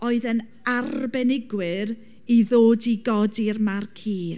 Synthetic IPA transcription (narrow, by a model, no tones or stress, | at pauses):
oɨðən | arbɛnɪɡwɪɾ | iðoːdiɡɔdirmarkʰiː